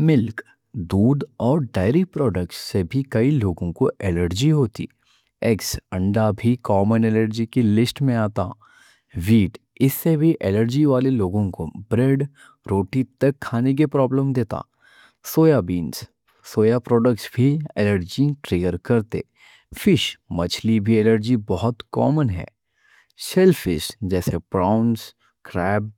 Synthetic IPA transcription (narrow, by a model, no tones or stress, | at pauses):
mɪlk | d̪uːd̪ɔːɾɖaːɪɾipɾɔːɖək̚ʈssebʱikɐiloːɡõkoʔɛːləɾd͡ʒiɦoːt̪ḭ | ɛksə̃ɳɖabʱikɔːmənɛːləɾd͡ʒikelɪsʈmẽaːt̪a̰ | ʋiːʈ | ɪsːebʱiʔɛːləɾd͡ʒiʋaːleloːɡõkobɾeːɖ | ɾoːʈit̪ɐkʰːaːnek̬epɾɔːbləmd̪eːt̪a̰ː | soːjabiːns | soːjapɾɔːɖəkʈsbʱiɛləɾd͡ʒiʈɾeːɡəɾkɐɾt̪ḛː | fɪʃmɐt͡ʃʰlibʱiɛːləɾd͡ʒibɔɦʊt̪kɔ̰ːmənɦɛ̰ː | sɛlfɪ̰ʃd͡ʒɛːsepɾaːʊns | kɾɛːb̚